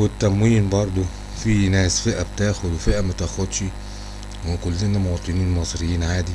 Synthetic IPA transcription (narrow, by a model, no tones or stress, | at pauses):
wet̪ːæmwiːnbɑɾˤd̪ˤo | finæːsfeʔæbet̪æːxod̪wefeʔæmæt̪æxod̪ʃi | wekolːenæmot̪ˤeniːnmɑsˤɾejːiːnʕaːd̪i